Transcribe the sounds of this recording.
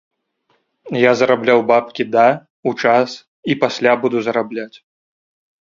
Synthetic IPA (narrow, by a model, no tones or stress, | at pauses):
jazɐɾablʲawbapkʲid̪ɐ | ut͡ʂas | ipasʲlʲabud̪uzɐɾablʲat͡sʲ